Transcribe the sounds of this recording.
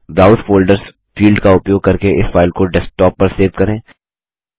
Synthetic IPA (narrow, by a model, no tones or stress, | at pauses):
bɾaːʊsfoːlɖəɾz | fiːlɖkaʊpjoːɡ̚kɐɾkeʔɪsfaːɪlkoɖɛsʈɔːpːɐɾseːʋkɐɾẽː